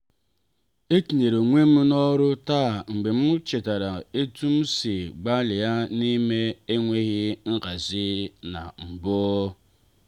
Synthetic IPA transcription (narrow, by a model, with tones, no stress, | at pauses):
e˦ti˨ɲe˨ɾo˨ŋʷe˦m̩˦nɔ˦ɾʊ˦ta˦˨ŋ͡m̩˨ɡ͡be˨m̩˦t͡ʃe˨ta˨ɾa˨e˦tu˦m̩˦si˨ɡ͡ba˦lɪ˨ja˦ni˦me˦e˦ŋʷe˦ɣɪ˦ŋ̩˦ka˨zɪ˦na̰˨m̩˨boː˦